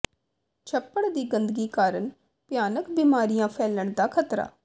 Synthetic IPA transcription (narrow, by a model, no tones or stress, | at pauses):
t͡ʃʰəpːəɽd̪iːɡənd̪əɡiːkaːɾəɳ | pjaːnəkbiːmaːɾijãːpʰɛːləɳd̪aːkʰət̪ɾa̰ː